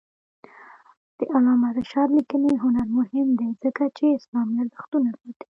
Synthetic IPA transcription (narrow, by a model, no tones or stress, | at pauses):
d̪̥əʔalɑmaɾəʃɑd̪likəneɦʊnaɾmʊhɪmd̪ezəkat͡ʃeɪslɑmlaɾzaxt̪unapot̪i̥